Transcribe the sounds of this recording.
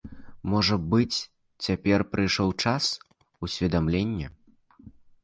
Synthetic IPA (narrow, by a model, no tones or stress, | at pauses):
mɔʐɐbɨt͡sʲ | t͡sʲapʲɛrpɾʔɨjʂɔwt͡ʂas | usʲvʲɛd̪amlʲenʲːɛ